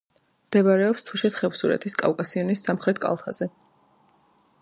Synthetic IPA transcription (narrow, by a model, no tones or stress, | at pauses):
md̪̥ɛvaɾɛɔpst̪ʰuʃɛt̪χɛvsuɾɛ̰t̪ʰiskʼa̰fkʼasiɔnisːamχɾɛt̪̚ʰkʼa̰lˠt̪ʰaz̥ɛ